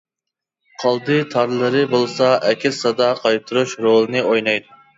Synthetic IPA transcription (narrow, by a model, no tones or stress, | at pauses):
qʰɑlˠd̪ɨt̪ʰɑɾlˠɨɾɨbolˠsɑʔɛkʲʰɪsɑd̪ɑqʰɑjt̪ʰɨɾuʃɾolˠɨnɨojnɑjd̪u